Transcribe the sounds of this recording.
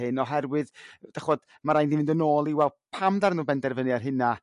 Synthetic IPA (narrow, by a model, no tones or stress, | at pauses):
ɨnɔɦɛrwɨðd̥aχɔd̥ | maɾajndinvɪndənoːlˠiwɛlˠpʰamdarnuːbɛndɛrvəniarɦɨna